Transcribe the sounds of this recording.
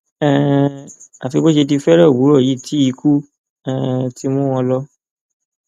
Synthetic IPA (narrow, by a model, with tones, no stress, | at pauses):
ɛ˦˧˨ | a˨fi˧bo˦ʃe˧t̬i˧fɛ˦ɾɔ˦˨wu˨˦ɾɔ˦˨ji˨˦˨tʰi˨˦i˧˦kʰu˦ | ɛ̃˨ti˦mũ˦w̃ɔ̃˧lɔ˦